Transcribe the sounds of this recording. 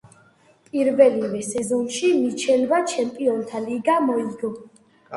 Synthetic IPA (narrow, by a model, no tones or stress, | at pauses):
pʼiɾvɛlivɛsɛzɔnʃimit͡ʃʰɛlvat͡ʃʰɛmpʼiɔnt̪ʰaliɡamɔiɡɔ